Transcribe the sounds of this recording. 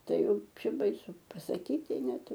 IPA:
ˈtɐɪ ˈjɛʊ ˈt͡ʃʲɛ bɐɪˈsʊ pɐsɐˈkʲiːtʲɪ ˈnʲɛt

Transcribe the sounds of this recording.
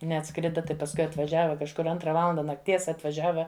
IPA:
nʲɛɐtˈskrʲɪdɐ ˈtɐɪ pɐsˈkʊɪ ɐtʋɐˈʒʲæːʋɐ kɐʃˈkʊr ˈɐntrɐ ˈʋɑːlˠɐndɐ nɐkˈtʲiɛs ɐtʋɐˈʒʲæːʋɐ

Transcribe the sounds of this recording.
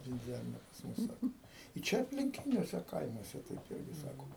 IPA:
ʋʲɪnʲˈd͡zʲɛrʲnʲɛ pɐs ˈmʊs ˈsɑːkoː ɪ ˈt͡ʃʲɛ ɐpʲlʲɪŋʲˈkʲɪnʲuɔsʲɛ ˈkɐɪmuɔsʲɛ tɐɪp ˈɪrʲɡʲɪ ˈsɑːkoː

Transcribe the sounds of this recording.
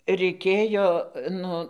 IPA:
rʲɛɪˈkʲeːjoː ˈnʊ

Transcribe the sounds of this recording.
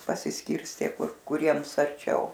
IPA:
pɐsʲɪsʲˈkʲɪrʲsʲtʲeː ˈkʊr kʊˈrʲiɛms ɐrʲˈt͡ʃʲɛʊ

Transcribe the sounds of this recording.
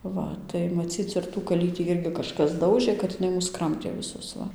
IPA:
ˈʋɐ tɐɪ mɐˈt͡sʲiːt͡s ɪr tuː kɐˈlʲiːtʲiː ˈɪrʲɡʲɪ kɐʃˈkɐs ˈdɐʊʒɘ kɐt jɪˈnɐɪ ˈmʊs ˈkrɐmʲtʲeː ʋʲɪˈsʊs ˈʋɐ

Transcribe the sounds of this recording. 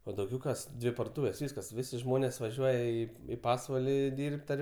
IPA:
oː dɐʊˈɡʲɛʊ ˈkɐs ˈdʲʋʲɪ pɐrdoːˈtuːʋʲeːs ˈʋʲiːskɐs ˈʋʲɪsʲɪ ˈʒmoːnʲeːs ʋɐˈʒʲuɔjɛ ˈiː ɪ ˈpɑːsʋɐlʲɪˈdʲiːrʲpʲtʲ ɐr

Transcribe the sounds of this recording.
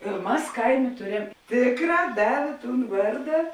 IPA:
ɪr ˈmɐs ˈkɐɪˌmʲeː ˈtʊˌrʲɛm ˈtʲeːkˌrɑː ˈdɑːʋʲeː ˈtuːn ˈʋɐrdɐ

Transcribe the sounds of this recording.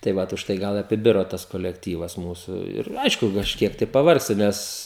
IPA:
tɐɪ ˈʋɐt ʊʃˈtɐɪ ˈɡɐlˠ ɐpʲɪˈbʲɪroː ˈtɐs koːlʲɛkˈtʲiːʋɐs ˈmuːsʊ ɪr ˈɐɪʃkʊ kɐʃʲˈkʲiɛk tɐɪ pɐˈʋɐrksʲtʲɪ ˈnʲɛs

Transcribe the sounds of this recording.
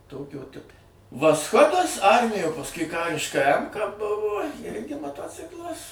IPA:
ˈtoːkʲoː ˈtʲɪpoː ʋɐsˈxoːdɐs ˈɐrʲmʲɪjoː pɐsˈkʊɪ ˈkɑːrʲɪʃkɐ ˈɛmkɐ ˈbʊʋoː ˈɪrʲɡʲɪ mɐˈtoːt͡sʲɪklˠɐs

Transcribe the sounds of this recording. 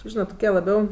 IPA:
ˈʒʲiːnɐt toːˈkʲiɛ lˠɐˈbʲɛʊ

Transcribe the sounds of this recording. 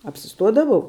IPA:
ɐpʲsʲɪˈstuɔdɐʋɐʊ

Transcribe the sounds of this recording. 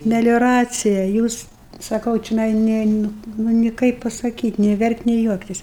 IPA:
mʲɛlʲoːˈrɑːt͡sʲɪjɛ ˈjuːs sɐˈkɐʊ t͡ʃʲoːˈnɐɪ ˈnʲɛ ˈnʊ ˈnʊ nʲɪ ˈkɐɪp pɐsɐˈkʲiːtʲ nʲeː ˈʋʲɛrktʲ nʲeː ˈjuɔktʲɪs

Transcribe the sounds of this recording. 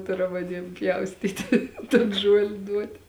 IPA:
ˈtʊrɐm ɐˈnʲiɛm ˈpʲjɛʊsʲtʲiːtʲɪ toːn ˈʒuɔlʲɪ ˈduɔtʲɪ

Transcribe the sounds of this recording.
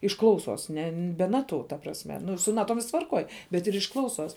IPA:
ɪʃ ˈklˠɐʊˌsoːs ˈnʲɛ bʲɛ ˈnɑːˌtʊ tɐ prɐsʲˈmʲɛ ˈnʊ sʊ ˈnɑːˌtoːm ˈʋʲɪsks tʋɐrˈkoːj bʲɛt ɪr ɪʃ ˈklˠɐʊˌsoːs

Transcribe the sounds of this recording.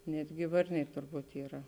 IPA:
ˈnʲæːdʲɡʲɪ ˈʋɐrʲnʲɛɪ tʊrˈbuːt iːˈrɐ

